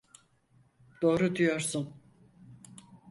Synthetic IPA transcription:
d̪̥o̞ːɾud̪ijoɾsun

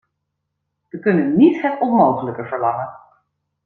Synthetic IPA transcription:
ʋəkɵnənːitɦətɔnmowχələkəvəɹlɑŋən

